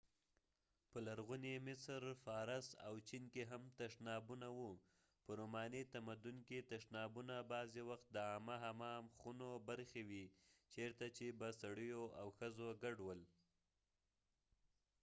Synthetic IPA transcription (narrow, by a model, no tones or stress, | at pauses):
pəlaɾɣunemɪsɾfɑɾasa̰wt͡ʃinkeɦamt̪aʂnɑbunawu | pəɾomɑnit̪amad̪unket̪aʂnɑbunabɑzewaxt̪̚d̪əɑmaɦamɑmxunobaɾxewit͡ʃeɾt̪at͡ʃebasaɽəjoawxəzoɡaɖwəl